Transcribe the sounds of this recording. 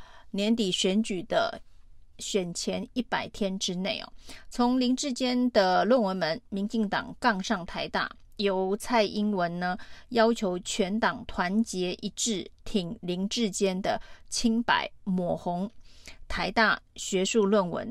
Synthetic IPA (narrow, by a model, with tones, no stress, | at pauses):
njɛ˧˥nt̪i˨˩ɕɥɛ˧˥nt͡ɕy˨˩d̪̥ə̰˦ | ɕɥɛ˨˩nt͡ɕʰjɛ˧˥ni˥˩pa˨˩ɪt̪ʰjɛ˥nʈ͡ʂɻ̩˥ne˥˩ɪɐ̰˩t͡sʰʊ˧˥ŋli˧˥ŋʈ͡ʂɻ̩˥˧t͡ɕjɛ˥nd̪ə˨lwə˥˨nwə˧˥nmə˧˥nmi˧˥ŋt͡ɕi˥˩ŋt̪ɑ̰˨˩ŋkɑ˥˧ŋʂɑ˥˩ŋt̪ʰa˧˥ɪt̪a̰˥˩ | jo˧˥ʊt͡sʰa˥˩ɪʔi˥ŋwə˧˥nnə˧jɑ˥ʊt͡ɕʰjo˧˥ʊt͡ɕʰɥɛ˧˥nt̪ɑ˨˩ŋt̪ʰwa˧˥nt͡ɕjɛ˧˥ʔi˧˥ʈ͡ʂɻ̩˥˩t̪ʰi˨˩ŋli˧˥ŋʈ͡ʂɻ̩˥˩t͡ɕjɛ˥nd̪ə̰˨t͡ɕʰi˥ŋpa̰˨˩˦ɪmwɔ˨˩xʊ˧˥ŋt̪ʰa˧˥ɪt̪a˥˩ɕɥɛ˧˥ʂu˥˧lwə˥˩nwə̰˧˥n